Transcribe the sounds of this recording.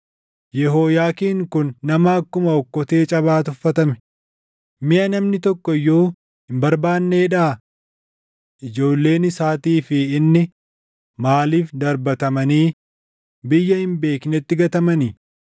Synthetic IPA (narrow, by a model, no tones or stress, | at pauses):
jɛɦo̞ːjaːkiːŋkʊnːɐmɐːkːʊmɐɔkːɔt̪eːt͡ʃʼɐβaːt̪ʊfːɐt̪ɐmɛ̥ | mɪʔɐnɐmnɪt̪ɔkːɔɪjːo̞ː | ɪmbɐɾbaːnːe̞ːᶑaː | ʔɪd͡ʒo̞ːlːe̞ːnɪsaːt̪iːfɪɪnːɪ | maːliːfd̪ɐɾbɐt̪ɐmɐniː | bɪjːɐhɪmbe̞ːknɛt̪ːɪɡɐt̪ɐmɐni